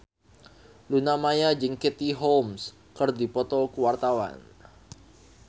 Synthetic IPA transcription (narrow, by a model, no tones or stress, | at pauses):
lunamajad͡ʒiŋkit̪iɦoms | kərdipɔt̪ɔlkəwart̪awa̰n